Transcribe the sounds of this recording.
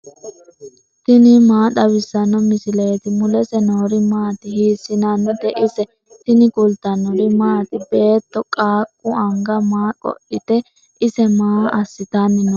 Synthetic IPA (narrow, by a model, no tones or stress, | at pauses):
t̪ɪnɪmaːd̪ɐwɪsːɐnːɔmɪsɪleːt̪ɪmʊlɛsɛnoːɾɪmaːt̪ɪhiːsːɪnanːɔd̪ɛʔɪsɛ | t̪ɪnɪkʼʊlt̪ːɐnɔɾɪmaːt̪ɪbe̞ːt̪ːɔkʼaːkʼːʊɐŋɡɐmaːkʼɔ̰ʔɪt̪ɛ | ʔɪsɛmaːɐsːɪt̪anːɪnɔ